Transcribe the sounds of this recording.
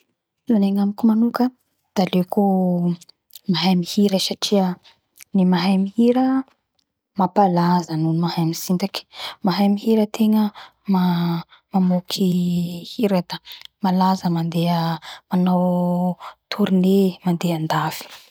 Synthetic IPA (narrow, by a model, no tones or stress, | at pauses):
laneŋamikumanukə | d̪̥aleko | maɦajmihiɾəsaʈ͡ʂiə | nimaɦajmihiɾə | mapalazənunumaɦajmisind̪aki̥maɦajmiɦiɾət̪ʰeŋə | ma | mamokʰihiɾad̪amalazəmand̪eəanaw | t̪ʰuɾinemand̪eand̪afi̥